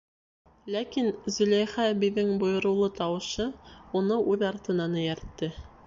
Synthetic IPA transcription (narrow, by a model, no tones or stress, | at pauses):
lækinzɵ̆læjχæbĭðːɘŋbŏjɤ̆ɾɤ̆wlˠɤt̪ɑwɤ̆ʃɤunɤʔʉðɑɾt̪ɤ̆nɑnɤjæɾt̪ːɘ